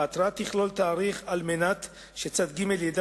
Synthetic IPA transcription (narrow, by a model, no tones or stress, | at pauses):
at̪ɾat̪iχlo̞lt̪aːʁiχalmenat̪ | ʃe̞t͡sad̪ɡimeljed̪a